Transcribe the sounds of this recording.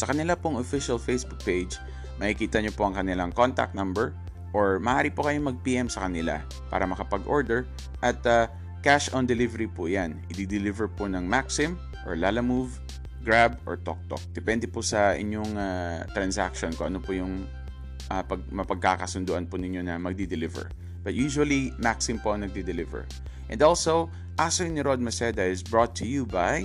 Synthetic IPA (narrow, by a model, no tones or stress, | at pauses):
sɐkɐnɪlapoŋʔofɪʃɐlfejsbʊk̚pejd͡ʒ | mɐkɪkiːt̪ɐɲopoʔɐŋkɐnɪlaŋko̞nt̪a̰k̚t̪nambɛɹ | ʔoɹmɐʔaːɾipokɐjomɐɡ̚piːʔɛmsɐkɐnɪla̰ | pa̰ːɾɐmɐkɐpɐɡʔoɹd̪ɛɹ | ʔɐt̪a | kaʃʔɔnd̪ɛlivɛɾipʊjanʔɪd̪id̪ɪlivɛɹpʊnɐŋmaksɪm | ʔoɹlaːlɐmuv | ɡɹabʔɔ̰ɹt̪o̰k̚t̪o̰k̚d̪̥ɛpɛnd̪ɛpʊsɐʔɪ̰ɲjoŋat̪ɾɐnsa̰kʃonko̰ʔɐ̰nopʊjʊŋ | ʔapɐɡ̚mɐpɐɡ̚kakɐsʊnd̪uʔɐnpʊnɪɲːonɐmɐɡ̚d̪id̪ɪlɪvɛ̰ɹ | b̥ɐt̪̚juʃʊɐlimaksɪmpoʔɐŋnɐɡ̚d̪ɪd̪ɛlɪvɛ̰ɹ | ʔɛ̰nd̪olsow | ʔasonɪɾod̪̚mɐsɛd̪ɐʔɪsbɹot̪ʰːʊjubaj